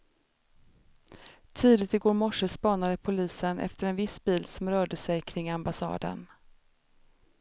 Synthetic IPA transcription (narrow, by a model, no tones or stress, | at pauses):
t̪ʰiːd̪ɪt̪ɪɡoːɾmɔʂəspɑːnad̪əpʰʊliːsənʔɛ̰ft̪əɾɛnvɪsbiːlsɔmɾœːɖəsɛjkʰɾɪŋːambasɑ̰ːd̪ə̰n